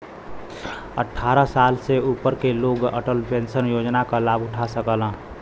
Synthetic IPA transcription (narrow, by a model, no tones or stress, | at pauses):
ə̰ʈʰːaːɾasaːlseuːpəɾkeloːɡəʈəlpẽnsənjoːd͡ʒnakalaːbʊʈʰasəkələ̃